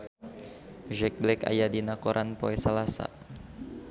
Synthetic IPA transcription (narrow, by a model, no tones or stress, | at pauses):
ʒɛk̚blɛka̰jadinakoɾʔanpoɛsalasa̰